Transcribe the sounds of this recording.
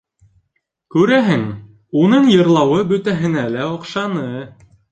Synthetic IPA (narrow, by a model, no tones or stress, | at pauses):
kʉɾæɦɘŋ | unɤɴjɤ̆ɾlˠɑwɤbɵ̆t̪æɦɘ̆nælæŏqʃɑnɤ